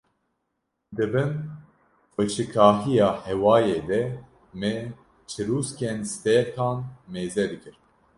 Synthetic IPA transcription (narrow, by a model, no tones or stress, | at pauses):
d̪ɨbɨn | fet͡ʃʰɨkʰɑːɦijɑːhɛwɑːjeːd̪ɛ | mɛ | t͡ʃʰɨɾuːskʲɛnst̪et̪ʰɑːnmeːzɛd̪ɨkʰɨɾ